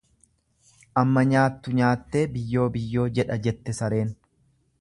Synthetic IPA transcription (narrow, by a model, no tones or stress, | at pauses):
ʔɐmːɐɲaːt̪ːʊɲaːt̪ːe̞ːbɪjːo̞ːbɪjːo̞ːd͡ʒɛᶑɐd͡ʒɛt̪ːɛsɐɾe̞ːn